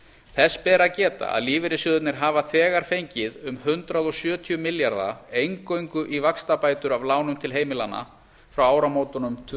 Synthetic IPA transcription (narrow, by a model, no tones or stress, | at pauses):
θɛsːpɛːɾacɛːt̪a̰a̰ðliːvɪɾɪsjʏðʏt̪nɪɾ̥ɦaːvaθɛːɣaɾ̥fejɲcɪðʏmhʏnt̪ɾaðɔsjœːt̪ʰiʏmɪljaɾða̰ejŋkoɥjŋkʏʔivakst̪apaːjt̪ʏɾavlaːwnʏmt̪ʰɪlɦeːjmɪlanːa̰ | fɾawaːwɾamoːwt̪ɔnʏmt̪ʰː